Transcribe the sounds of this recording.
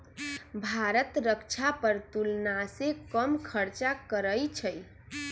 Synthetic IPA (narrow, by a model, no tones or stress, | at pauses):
bʱaɾət̪ɾəkt͡ʃʰapəɾt̪ulnasekəmkʰəɾt͡ʃakəɾəjt͡ʃʰəj